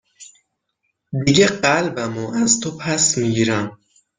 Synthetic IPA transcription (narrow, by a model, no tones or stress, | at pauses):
d̪iɡeɢælbæmoæzt̪ʰopʰæsmiɡiːɾæm